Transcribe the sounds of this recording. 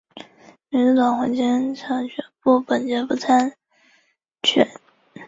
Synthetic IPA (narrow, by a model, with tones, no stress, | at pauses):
mi˧˥nʈ͡ʂu˧˥˩t̪ɑ˨˩ŋxwa˧˥t͡ɕɛ˥nʈ͡ʂʰɑ˧˥ŋt͡ɕʰɥɛ˧˥npu˥˩pə˨˩nt͡ɕɛ˧˥pu˥˩t͡sʰa˥n | t͡ɕʰɥɛ̰˨˩˦n